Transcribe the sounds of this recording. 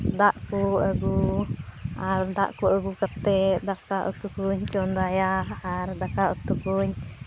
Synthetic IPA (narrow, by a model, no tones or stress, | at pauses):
d̪aʔkuəɡu | aɾd̪a̰ʔkuʔəɡukat̪ɛʔd̪akaʔṵt̪ukuɲt͡ʃɔnd̪ajaaɾd̪akaʔut̪ukuɲ